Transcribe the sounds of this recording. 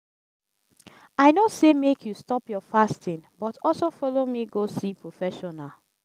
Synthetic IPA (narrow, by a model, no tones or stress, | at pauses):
aɪnosemekʰjustɔpjɔfastĩnb̥ɔtʰɔlsofɔlomiɡosipɹofɛʃɔna